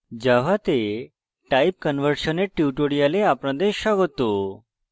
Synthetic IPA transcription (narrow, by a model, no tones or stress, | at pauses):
d͡ʑaʋ̤at̪e | ʈaip̚kənʋəɾɕəneʈiuʈoɽijaleapɽ̃ãd̪eɕaɡɔt̪o